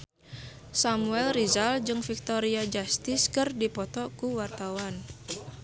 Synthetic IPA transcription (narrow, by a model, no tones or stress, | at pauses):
samuɛlrizald͡ʒɨŋfik̚t̪ɔɾiad͡ʒast̪ɪskɨrdipɔt̪ɔkuwart̪awan